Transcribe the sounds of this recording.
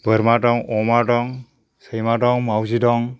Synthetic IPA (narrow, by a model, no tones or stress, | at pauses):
bəɾmadɔŋɔmadɔŋ | səjmadɔŋmawzidɔŋ